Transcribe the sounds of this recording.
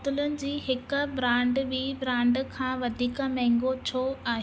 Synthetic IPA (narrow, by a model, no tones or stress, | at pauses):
t̪ʊlənɪ̆d͡ʑiːɦɪkbɾãːɳɖbiːbɾãːɳɖkʰãːʋɐd̪ʱiːkəmɛ̃ɦŋɡot͡ɕʰoːaːɦe